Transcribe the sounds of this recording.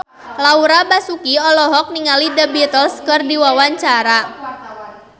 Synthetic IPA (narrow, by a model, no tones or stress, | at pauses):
lauɾabasukiɔlɔɦɔk̚niŋalidəbit̪əlskɨrdiwawaɲt͡ʃaɾa